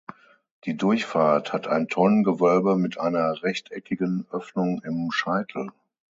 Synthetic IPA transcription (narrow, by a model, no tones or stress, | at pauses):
d̥iːdʊɐçfaːɐthatʰaɪntʰɔnənɡəvœlbəmɪtʔaɪnɐʁɛçtʰɛkʰɪɡənʔœfnʊŋɪmʃaɪtʰl̩